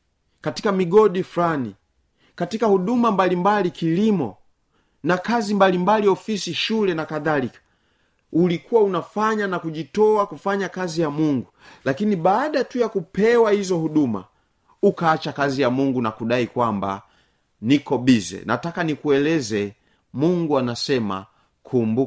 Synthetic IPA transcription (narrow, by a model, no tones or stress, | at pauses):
katikamiɡɔɗifulani | katikahuɗumambalimbalikilimɔ | nakazimbalimbaliɔfisiʃulɛnakaðalikḁ | ulikuwaunafaɲanakuʄitɔakufaɲakazijamuŋɡu | lakinibaːɗatujakupɛwahizɔhuɗuma̰ | ukaːt͡ʃakazijamuŋɡunakuɗaikwamba̰ | nikɔbizɛ̰na̰takanikuɛlɛzɛ | muŋɡuanasɛma̰ | kʰumbu